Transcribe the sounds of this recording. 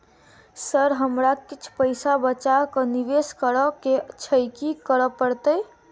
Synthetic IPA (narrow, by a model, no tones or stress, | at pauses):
səɾɦəmɾakit͡ʃʰpəjsabət͡ʃakəniʋeskəɾəket͡ʃʰəjkikəɾəpəɽt̪əj